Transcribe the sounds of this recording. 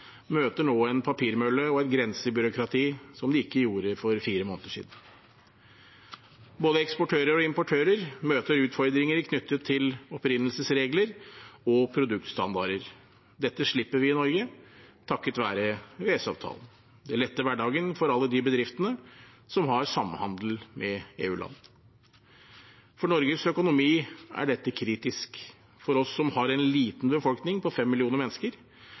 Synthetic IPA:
møːt̪əɳoːɛnpʰɑpʰiːɾmœlːəɔɛt̪ɡɾɛnsəbʏɾʊkɾɑt̪ʰiːsɔmd̪ɛɪkːəjuːɾəfɔɾfiːɾəmoːnt̪əʂḭd̪n̩ | boːd̪əɛkspɔʈʰøːɾəɾɔɪmpɔʈʰøːɾəɾmøːt̪əɾʉːt̪fɔɾd̪ɾɪŋəɾɪkʰnʏt̪ʰːət̪ʰːɪlɔpɾɪnːəlsəsɾeːɡləɾɔpʰɾʊd̪ʉk̚t̪st̪ɑ̰nd̪ɑɾəɾ | d̪ɛt̪ːəʂɭɪpːəɾʋɪɪnɔɾɡət̪ʰɑkːət̪ʋæːɾəʋeːsɑ̰ːʋt̪ʰɑ̰ːlən | d̪ɛæɭɛt̪ːəʋæɖɑːɡənfɔɾɑlːəd̪ɪbəd̪ɾɪft̪ənə | sɔmɦɑɾsɑmːhɑnd̪l̩mɛeːʉːlɑ̰nː | fɔɳɔɾɡəsœkʊnʊmiːʔæ̰ɖɛt̪ːəkʰɾiːt̪ɪsk | fɔɾɔsːɔmhɑɾɛnliːt̪nbəfɔlknɪŋpʰɔfɛmːɪlɪuːnəɾmɛnːəskəɾ

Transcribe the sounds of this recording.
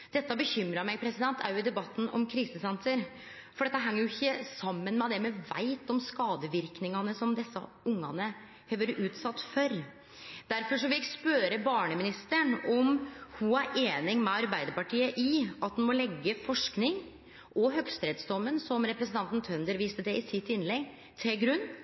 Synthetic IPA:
d̪̥ɛt̪ːəbəçʏmɾɑmɛɡpʰɾɛsɪd̪ɛnt̪ːʰæɾjʊɪd̪ɛbɑt̪ːn̩ɔ̰mkʰɾiːsəsɛnsəɾ | fɔɖɛt̪ːəɦɛŋːəɾjʊɪçːəsɑmːənmɛd̪ɛmɛʋæ̰ɪt̪ɔmskɑːd̪əʋɪɾknɪŋɑnəsɔmd̪ɛsːə̰ | ʊŋːɑ̰nə | høːʋəɾʔʉːt̪sɑt̪ːfœɾ | d̪̥æɾfɔʂɔʋɪlɪkspøːɾəbɑːɳəmɪnɪst̪əɳɔmhʊæɾʔeːnɪŋmɛɑɾbæɪd̪əɾpɑʈiːəʔɪɑt̪̚d̪ɛnmɔlɛɡːəfɔʂknɪŋ | ʔɔɦœɡst̪ɾeːd̪sd̪ɔmːənsɔmɾɛpɾɛsnt̪ɑnt̪n̩t̪ʰœnd̪əɾʋiːst̪əd̪ɛɪsɪt̪ːɪnlɛɡ | t̪ʰɪlɡɾʉnː

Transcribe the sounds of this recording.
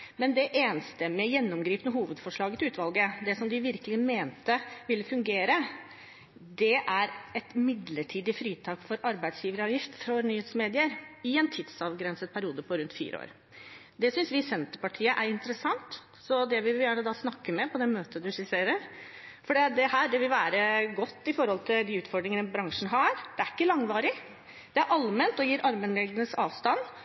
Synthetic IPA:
mɛnd̪ɛʔeːnəst̪əmɛjɛnːɔmɡɾiːpənəɦuːʋəd̪fɔʂɭɑːɡət̪ʰɪʉːt̪ʋɑlɡəd̪ɛsɔmd̪ɪʋɪɾkəlɪmeːnt̪əʋɪlːəfʉŋɡeːɾə | d̪ɛʔæɾɛt̪mɪd̪ləʈʰiːd̪ɪfɾiːt̪ʰɑːkfɔɾɑɾbæɪd̪sjiːʋəɾəɑːʋjɪft̪fɾɔnyːheːt̪smeːd̪ɪəɾɪɛnt̪ʰɪd̪sɑʋɡɾɛnsət̪̚pʰæɾɪuːd̪əpʰɔɾʉnt̪fḭːɾə̰o̰ːɾ | d̪ɛsʏnsʋɪsɛnt̪əpɑʈʰiːəʔæɾɪnt̪əɾəsɑŋt̪ | sɔd̪ɛʋɪʋjæːɳəd̪ɑːsnɑkːəmɛpʰɔd̪ɛmøːt̪əd̪ʉsɪseːɾəɾfɔɖɛːd̪ɛhæːd̪ɛʋɪlʋæːɾəɡɔt̪ːɪfɔɾhɔlt̪ʰɪld̪ɪʉːt̪fɔɖɾɪŋənəbɾɑŋʂn̩ɦɑɾd̪̥ɛæɾɪkːəlɑŋʋɑːɾɪ | d̪̥ɛæɾʔɑlmɛnt̪ɔjiːɾʔɑɾmənɛld̪ənəsɑːʋst̪ɑnː

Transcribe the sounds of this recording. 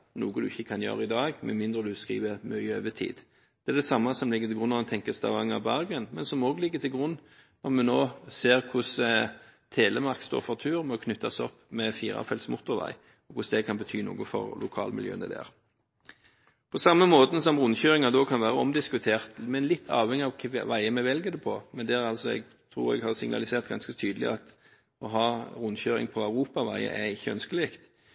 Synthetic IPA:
nuːɡəd̪ʉɪçːəkʰɑnjø̰ːɾəɪd̪ɑːɡmɛmɪnd̪ʁəd̪ʉskʁḭːʋəmœɪøːʋət̪ʰḭːd̪ | d̪̥ɛæʁd̪ɛsɑmːɑsɔmlɪɡːət̪ɪlɡʁʉnːɑʋɛnt̪ʰɛŋkəst̪ɑ̰ʋɑŋɑbæʁɡənmɛnsɔmoːɡlɪɡːət̪ʰɪlɡʁʊnː | nɔʁmɛnoːseːʁkʰʊs | t̪ʰeːləmɑʁkst̪o̰ːʁfɔʁt̪ʰʉːʁmɔkʰnʉt̪ːɑsɔpːmɛfiːʁɑ̰fɛlsmʊt̪ːʊɾʋæ̰ɪ | ɔkʰʊsd̪ɛkʰɑnbət̪ʰyːnṵːɡʊfɔ̰ʁlʊkʰɑ̰ːlmɪ̰ljøːnɛd̪ææ̰ʁ | pʰɔsɑmːəmoːt̪n̩s̬ɔmʁʊnçøːʁɪŋɑd̪ɔkʰɑnʋæːʁəɔmd̪ɪskʉt̪ʰeːʁt̪mɛnlɪt̪ʰːɑ̰ːʋɛŋːɪɑʋkʰʋʋæɪəmɛʋɛlɡəd̪ɛpʰɔmɛnd̪ɛæɾɑlsɔɛ̰ɡ | t̪ʰɾṵːʁɛ̰ɡhɑːʁsɪŋnɑ̰lɪseːʁt̪ɡɑ̰nskət̪ʰyːd̪əlɪ̰ɑt̪ | ɔɦɑːɾʊnçøːɾɪ̰ŋpʰɔæʉʁuːpɑʋæɪə̰ʔɛɪçːəœnskəleːkt̪

